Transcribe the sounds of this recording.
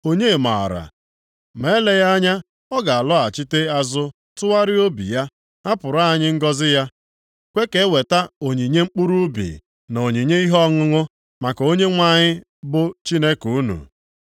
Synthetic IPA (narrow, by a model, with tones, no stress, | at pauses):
o˦ɲe˦˨ma̰˨ɔ̰˨ɾa̰˨ | me˨˦le˦ja˦ɲa˦ | ɔ˦ɡa˨a˨lɔ˦a˨t͡ʃi˦te˦a˦zʊ˦ | tʊ˦wa˦ɾɪ˦o˦bḭ˨ja˦ | a˦pʊ˨ɾa˦a˨ɲɪ˦ŋ̩˦ɡɔ˦zɪ˦ja˦ | kʷe˦ke˨˦we˨ta˦o˨ɲi˨ɲe˦ŋ͡m̩˦k͡pu˦ɾu˦bḭ˨ | no˨ɲi˨ɲe˦i˦ɦɔ˦ŋʊ˦ŋʊ˦ | ma˨ko˦ɲe˦ŋʷa˦˨ɲɪ˦ | bʊ˦t͡ʃi˦ne˦ku˨˦nṵ˨